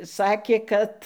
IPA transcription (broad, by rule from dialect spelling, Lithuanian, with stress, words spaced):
ˈsɑːkʲeː ˈkɐt